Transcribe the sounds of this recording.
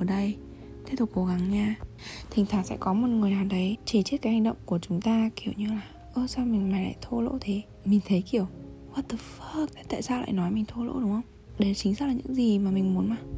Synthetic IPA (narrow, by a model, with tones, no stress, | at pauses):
ɗə˧j | t̪ʰe˦˥t̪ʰʊ˨˩k͡p̚kːo˧˩ɣa˨˦ŋɲaː˧ | t̪ʰï˨˩ŋ̟ʰaː˧˩t̚sɛ̰˧˥kɔ˨˦mo˨˩t̚ŋɨ˨˩əjnaː˨˩wɗə˨˦jt͡ɕi˧˩t͡ɕi˦˥t̚kaː˨˦jha˧ŋ̟ɗə̰˧˨wŋ͡mku˧˩ət͡ɕʊ˨˦ŋ͡mt̪aː˧ki˧˩əwɲɨ˧laː˨˩ | ʔəː˧sa˧wmï˨˩ŋ̟maː˨˩jla̰ː˧˨jt̪ʰo˧lo̰˧˥t̪ʰe˨˦ | mï˨˩ŋ̟t̪ʰə˨˦jki˧˩əwwa˨˩t̪ə˨˩fə˦k̚ta˨˦t̪a̰ː˧˨saː˧wla̰ː˧˨jnɔ˨˦jmï˨˩ŋ̟t̪ʰo˧lo̰˧˥ɗʊ˨˦ŋ͡mhə˧wŋ͡m | ɗe˧˩t͡ɕï˨˦ŋzə˦˥k̚laː˨˩ɲɨ̰˧˥ŋzi˨˩maː˨˩mï˨˩ŋ̟mu˨˦nmaː˨˩